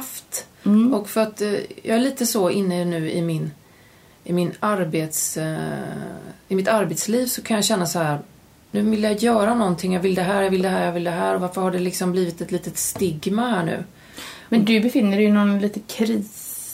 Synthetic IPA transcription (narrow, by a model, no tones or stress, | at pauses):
ft̪ʔɔkfœɾat̪jʔɑːɡæɭiːt̪əsɔɪnːənʉ̟ːɪ̰mɪn | ɪmɪnaɾbeːt̪s | ɪmɪt̪aɾbeːt̪sliːvsɔkʰanjɑɕɛnːasɔhæːɾ | nʉ̟ːvɪlːjajœːɾanɔnt̪ʰɪŋjɑːvɪld̪ɛɦæːɾjavɪld̪ɛɦæːɾjavɪld̪ɛɦæːɾɔvaɾfəɾhaɖɛlɪksɔmbliːvɪt̪ɛt̪liːt̪ət̪st̪ɪɡmahæːɳʉ̟̰ː | mɛnd̪ɵbɛfɪnːəɖɛjɵnɔnliːt̪əkʰɾiːs